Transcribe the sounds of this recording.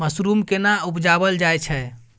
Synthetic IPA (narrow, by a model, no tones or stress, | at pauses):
əsɾumkenaupd͡ʒabəld͡ʒajt͡ʃʰɛ